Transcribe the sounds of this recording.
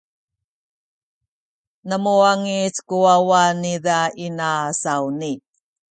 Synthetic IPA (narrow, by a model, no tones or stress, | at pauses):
nəmuaŋit͡skuawaniðainasauni